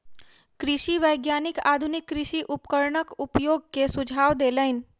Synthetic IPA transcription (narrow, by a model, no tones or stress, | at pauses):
kɾɪʃiʋəjɡjanika̰d̪ʱunikːɾɪʃiʔupkəɾɳəkupjoɡ̚kesʊd͡ʒʱaʋd̪eləin